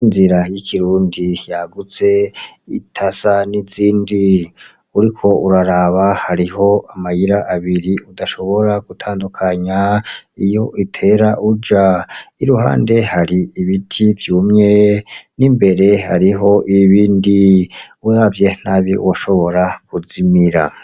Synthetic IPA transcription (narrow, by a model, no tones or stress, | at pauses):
inziɾajikʰiɾuːndijaɡut͡se̞ḭtʰasaniziːndi | uɾikʰo̞uɾaɾaβahaɾiho̞amajiɾaʔːβiɾiudaʃo̞βo̞ɾaɡ̥utʰaːndukʰaɲaijo̞ʔitʰe̞ɾaʔud͡ʒaiɾuha̰ːnde̞haɾiiβitʰivjuːmɲe̞nimbe̞ɾe̞haɾiɦo̞ʔiβiːndiujavje̞n̥aβḭwaʃo̞βo̞ɾakuzimiɾa̰